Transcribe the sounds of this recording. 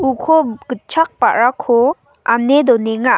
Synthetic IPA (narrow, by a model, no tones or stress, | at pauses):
ukʰɔɡ̥ɯt͡ʃʰak̚pa̰ʔɹakʰɔ | anedɔneŋa